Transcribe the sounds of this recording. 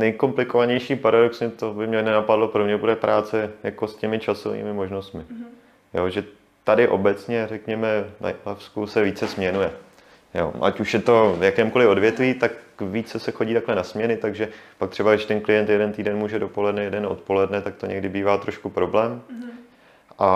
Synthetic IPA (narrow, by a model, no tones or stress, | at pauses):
nɛjko̞mplɪko̞vaɲɛjʃiːpaɾado̞ksɲɛt̪o̞bɪmɲɛnɛnapadlo̞pɾomɲɛbudɛpɾʔaːt͡sɛjako̞scɛmɪt͡ʃaso̞̰vḭːmɪmo̞ʒno̞st̪mɪ | joʒɛ | t̪adɪʔo̞bɛt͡sɲɛɾɛkɲɛmɛna̰lafskusɛviːt͡sɛsmɲɛnujɛ | jo̰ːʔa̰cuʃjɛt̪o̞vjakɛːmuko̞lɪo̞dvjɛt̪viːt̪akviːt͡sɛsɛxo̞ɟiːt̪aklɛnasmɲɛnɪt̪aɡʒɛpak̚t̪r̝̥ɛbaɡɾɪʃt̪ɛnklɪjɛnt̪jɛdɛnt̪iːdɛnmuːʒɛdo̞po̞lɛdnɛjɛdɛno̰t̪po̞lɛdnɛt̪ak̚t̪o̞ɲɛɡdɪbiːvaːt̪ɾo̞ʃkupɾo̞blɛːm | ʔa